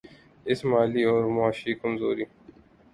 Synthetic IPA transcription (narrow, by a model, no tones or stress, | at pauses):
ɪsmaːliːoːɾmʊaːʃiːkʊmzoːɾiː